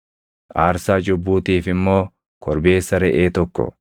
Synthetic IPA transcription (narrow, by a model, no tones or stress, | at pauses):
ʔaːɾsaːd͡ʒʊbːuːt̪iːfɪmːo̞ː | kʰɔɾbe̞ːsːɐɾɛʔeːt̪ɔkːɔ̰